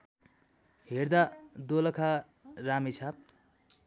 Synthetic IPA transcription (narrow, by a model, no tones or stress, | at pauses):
ɦeɾd̪ad̪olʌkʰa | ramisʰap̚